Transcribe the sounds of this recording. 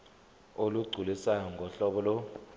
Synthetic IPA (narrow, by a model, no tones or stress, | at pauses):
oluɡ͡ǀʱulisajɔŋɡʱɔɬɔɓɔlɔ